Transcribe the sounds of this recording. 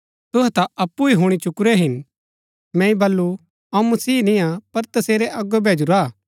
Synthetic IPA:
t̪ʊɦɛt̪aɐpːuiɦʊɽ̃it͡ʃʊkɾɛɦɪn | mɛ̃ːĩbɐlːu | ɐũmɐsiːnĩapɐɾt̪ɐseːɾeʔɐɡobʱeːd͡ʒuɾaː

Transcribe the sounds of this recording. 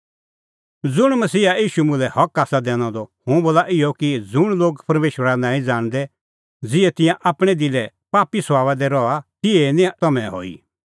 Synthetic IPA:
d͡zʊɽ̃mɐsiːajiːʃumʊ̃lɛhɐkaːsad̪ɛːɽ̃ɔ̃d̪ɔhʊ̃boːlaʔɪjɔkid͡zʊɽ̃loːɡpɐɾmeːʃwəɾanãːĩd͡zaːɽ̃d̪ɛ | d͡zɪɛt̪ɪ̃jãʔaːpɽ̃ɛd̪ilɛ | paːpiswaːʋad̪ɛɾɔat̪ɪɛnĩt̪ɐmɛ̃ɦo̰ːḭ

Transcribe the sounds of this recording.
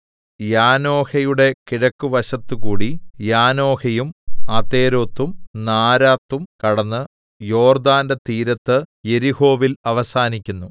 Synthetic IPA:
jaːno̞ːhɐjuɽe̞kiɻɐkːuʋɐɕɐt̪ːɨkuːɽijaːno̞ːhɐjumɐt̪e̞ːɾo̞ːt̪ːumnaːɾaːt̪ːumkɐɽɐnːɨ | jo̞ːrd̪aːndet̪iːɾɐt̪ːɨje̞ɾiho̞ːʋilɐʋɐsaːnikʲːunːu

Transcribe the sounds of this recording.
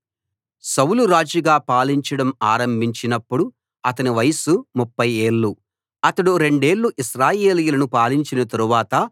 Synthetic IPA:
sɐwluɾaːd͡ʒiɡaːpaːliɲt͡ʃɐɽɐmaːɾɐmbʱiɲt͡ʃinɐpːuɽu | ɐt̪ɐniʋɐjɐsumupːɐjeːɭːu | ɐt̪ɐɽuɾe̞ɳɖe̞ːɭːuʔiʃɾaːje̞ːlijulɐnupaːliɲt͡ʃinɐt̪ɐɾuʋaːt̪ɐ

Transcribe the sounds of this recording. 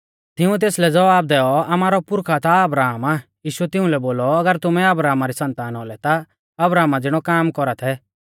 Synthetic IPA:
t̪ɪũt̪̬eːslɛd͡zɐʋaːb̚d̪ɛːɔamaːɾɔpʊɾkʰat̪aɐbɾaːmajiːʃuɛt̪ɪũlɛboːlɔɐɡəɾt̪ʊmɛɐbɾaːmaɾisɐ̃nt̪aːnɔlɛt̪a | ɐbɾaːmad͡zɪɽ̃ɔkaːmkɔɾat̪ʰɛ

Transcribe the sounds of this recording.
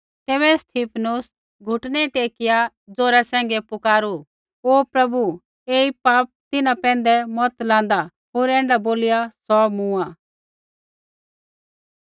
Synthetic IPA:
t̪ɛːβɛst̪ʰiːpʰnʊs | ɡʱʊʈnɛʈeːkɪja | d͡zoːɾasɛ̃ːŋɡɛpʊkaːɾu | oːpɾɐbu | eːipaːp̚t̪ɪnapɛ̃ːnd̪ɛmɔt̪lãːn̆d̪a | ɦoːɾɛ̃ːɳɖaboːlɪjasɔːmũãː

